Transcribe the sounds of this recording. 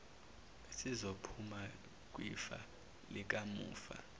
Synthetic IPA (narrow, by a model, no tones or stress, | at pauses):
sizopʰuma | k̬ʼwḭfa̰ | lik̬ʼamṵːfa̰